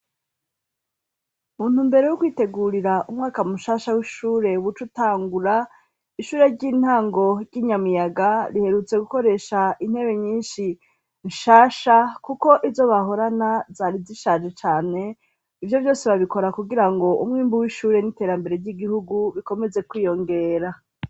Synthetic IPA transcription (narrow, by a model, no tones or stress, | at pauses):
muːn̥umbe̞ɾe̞jukwiːte̞ɡuːɾiɾaʔumŋaːkamuʃaːʃawiʃuːɾe̞uwut͡ʃutaːŋɡuɾa | iʃuːɾeɾɟiːn̥haːŋɡo̞ɾɟiːɲamijaɡaɾihe̞ɾut͡se̞ɡuko̞ɾe̞ʃain̥he̞βe̞ɲiːnʃi | nʃaːʃakuko̞ʔivzo̞βaɦo̞ɾanazaːɾiziʃaːʒe̞t͡ʃaːne̞ | ivjo̞vjo̞ːseβaβiko̞ɾakuɡiɾaŋɡo̞umŋiːmbuwiʃuːɾe̞nite̞ːɾambe̞ɾe̞ɾɟiɡihuɡuβiko̞me̞ze̞kwiːjo̞ŋɡe̞ːɾa